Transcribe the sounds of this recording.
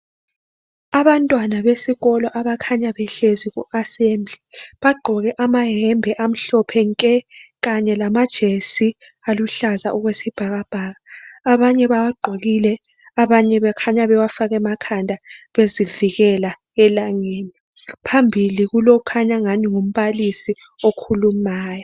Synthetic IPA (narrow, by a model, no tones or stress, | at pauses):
aβantʼwanaβesiɣɔlɔʔaβakʰaɲaβɛɬeziɣṵʔasemd͡ɮʱiβaɡ͡ǃʱɔɣɛʔamaɦɛmbʱɛʔam̩ɬɔpʰɛŋkʼɛɣaɲɛlamad̥ʒ̥ʱesi | aluɬaza̰ʔuɣwesib̥ʱaɣab̥ʱaɣaːβaɲɛβawaɡ͡ǃʱoɣilɛ | aβaɲɛβɛkʰaɲaβɛwafaɣɛmakʰandʱaβeziviɣɛla | ɛlaŋeːni | pʰambʱiliɣulokukʰaɲaŋaniŋom̩βalisi | okʰulumaːjɔ